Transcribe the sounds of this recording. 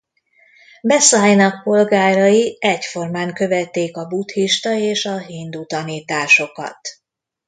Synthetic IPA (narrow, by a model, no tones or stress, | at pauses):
bɛsaːjnɒk̚po̞lɡaːɾɒjiɛcfo̞rmaːŋkø̞vɛt̪ːeːkɒbut̪hiʃt̪ɒeːʃɒɦiːnd̪ut̪ɒniːt̪aːʃo̞kɒ̰t̪